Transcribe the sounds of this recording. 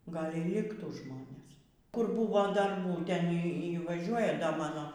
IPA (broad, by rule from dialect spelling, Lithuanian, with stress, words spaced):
ˈɡɐlˠ iː ˈlʲɪktuː ˈʒmoːnʲeːs ˈkʊr ˈbuːʋoː dɐrˈbuː ˈtʲɛn ˈiː ˈiː ʋɐˈʒʲuɔjɛ dɐ ˈmɑːnoː